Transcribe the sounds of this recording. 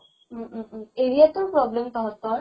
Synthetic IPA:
eɾiat̪uɾpɾɔblemt̪ɔɦɔst̪ɔɾ

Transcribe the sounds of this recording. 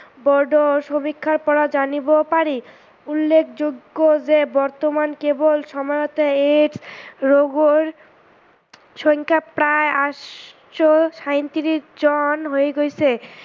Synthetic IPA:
bɔɾɖoʃomikʰːaɾpɔɾad͡ʑanibopaɾi | ulːekʰd͡ʑoɡːod͡ʑebɔɾt̪omankebolʃɔmɔeot̪eeɖsɾoɡoɾ | ʃɔŋkʰapɾaeaʃ | ʃoʃajnt̪iɾid͡ʑɔnɦoeɡojt͡ɕʰe

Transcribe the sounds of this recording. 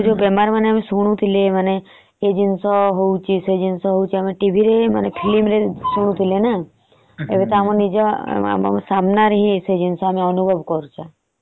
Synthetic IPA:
d͡ʒobemaɾmaneamesuɽ̃ũt̪ʰileməneː | d͡ʒinsɔɦowt͡ʃʰised͡ʒinsɔɦout͡ʃʰiəmeʈibʱiɾemənepʰilimɾesuɽ̃ũt̪ʰilena | ḛʋet̪ɔamõnid͡ʒɔ̰a̰msamnaɾɦĩsed͡ʒinsɔameɔnubʱɔʋkɔɾũt͡ʃʰa

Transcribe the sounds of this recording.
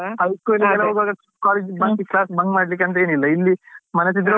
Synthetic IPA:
ɐjskojliɡɐlːɐɦoːɡʋaːɡɐ | kaːled͡ʒbakiklaːsbɐŋɡmaːɽlik̬ːeɐnt̪ɐeːnilːɐilːimɐnɐs̬id̪ɐɾo

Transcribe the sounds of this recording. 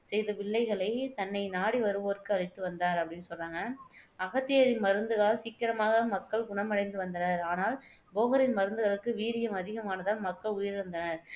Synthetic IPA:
sɛjðɐpɪɭːɐɪɣɐɭɐɪt̪ɐnːɐɪnaːɽiʋɐɾɯʋɐːɐɾɯkːɯɐɻɪt̪ːɯʋɐnd̪aːɾɐpːɐɽɪnːɯsɔlraːŋɡɐɐɣɐt̪ːɪjɐɾɪnmɐɾɯnd̪ɯɣaːsiːkːɪɾɐmaːɣɐmɐkːɐɭɡʊɳɐmɐɽɐɪnd̪ɯʋɐnd̪ɐnɐɾaːnaːl | boːɣɐɾɪnmɐɾɯnd̪ɯɣɐɭɯkːɯʋiːɾɪjɐmɐðɪɣɐmaːnɐðaːnmɐkːɐɭʊjɪɾʋɐnd̪ɐnɐɾ

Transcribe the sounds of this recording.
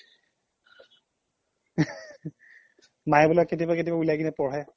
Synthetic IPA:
majɛbulakːetibaketibaulajkinɛpɔɹɛ

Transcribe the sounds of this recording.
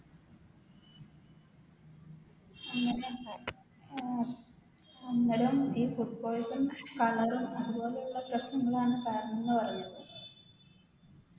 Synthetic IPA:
ŋːɐ | enːɐlumiːpurpoːjsɐmkɐɭɐɾumɐðubo̞ːlejuɭːɐprɐɕnɐŋːɐɭaːɳɨkaːɐnenːɨpɐrɐjunɐðɐ

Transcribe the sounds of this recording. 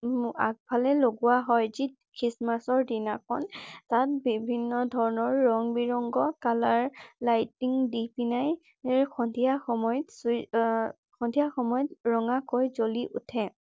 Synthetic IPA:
a̰k̚pʰalɛloɡuwaɦɔjzi | kʰɹismasɔɹdinakʰɔntat̚bibʱinːɔdʱɔɹɔnɔɹːɔŋbiɹɔŋɡɔkalaɹlajtiŋdipinaj | xɔndʱijaxɔmɔjts | xɔndʱijaxɔmɔjɔtɹɔŋakojzoliʔutʰɛ

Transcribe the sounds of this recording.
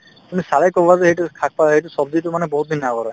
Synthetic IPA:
tumisalɛjkɔbɔazɛɦejtukʰak̚paɦejtʊsɔb̚ditʊmanɛbɔɦut̚bʱinːaɡɔɹɔ

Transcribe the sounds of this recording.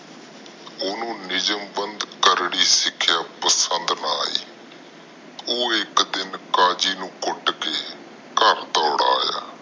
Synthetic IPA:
ʊnũːnɪd͡ʒəmbənd̪kəɾɽiːsɪkʰːjaːpəsənd̪naːḭː | oːɪkd̪ɪnkaːd͡ʒiːnũːkʊɖkeː | kəɾt̪ɔːɽa̰ːja̰ː

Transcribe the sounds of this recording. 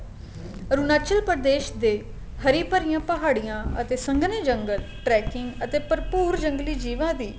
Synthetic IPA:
ɾunaːt͡ʃəlpəɾd̪eːʃd̪eː | həɾiːpəɾijãːpəɦaːɽijãːət̪eːsəŋɡned͡ʒəŋɡəl | ʈɾɛːkɪŋɡət̪eːpəɾpuːɾd͡ʒəŋɡliːd͡ʒiːʋãːd̪iː

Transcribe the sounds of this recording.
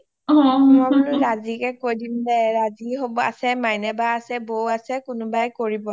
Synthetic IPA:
ɔ̃mɔunʊɹazikɛkojdimdɛɹaziɦobɔa̰sɛmajnɛbaːsɛbowasɛkʊnʊbajkoɹibɔ

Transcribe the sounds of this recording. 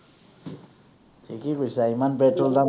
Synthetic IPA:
tʰikikujsaimanpeʈrolda

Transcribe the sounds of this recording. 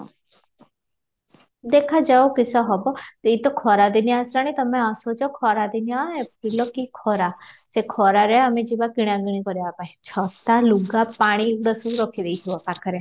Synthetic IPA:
d̪ekʰad͡ʒaokisɔɦɔbɔt̪it̪ɔkʰɔɾad̪injasɾaɽ̃it̪əmẽasɔd͡ʒɔkʰɔɾad̪injaep̚ilɔkikʰɔɾasekʰɔɾaɾɛamed͡ʒiʋaɡiɽ̃ãɡiɽ̃ikɔɾjapajt͡ʃʰɔt̪aluɡapaɽ̃iɽəsuɾɔkʰid̪eit͡ʃʰiɔkaɾkʰəɾe

